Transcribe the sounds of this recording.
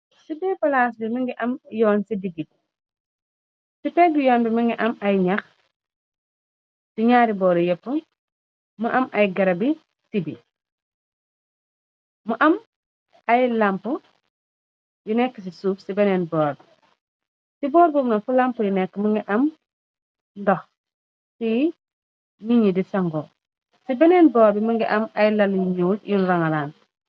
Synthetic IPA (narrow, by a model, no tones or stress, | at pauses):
sibɛːpɐlaːsbimiŋɡiʔɐmjɔːnsidiɡit̚ | sipɛk̚bijɔːnbimiŋɡiʔɐmɐjɲax | siɲaːɾibɔːɾjɛpːə | muʔɐmʔɐjɡɐɾɐbi | sibḭ | muʔɐm | ajlampu | junɛkːəs̬isuːfsibɛneːnbɔːɾbi | sibɔːɾbumnɐfulampujunɛkːmuŋɡiʔɐm | ndɔh | si | miɲidisaŋɡoː | sibɛnɛnbɔːɾbimuŋɡiʔɐmajlɐlɲuːljunɾaŋalaːn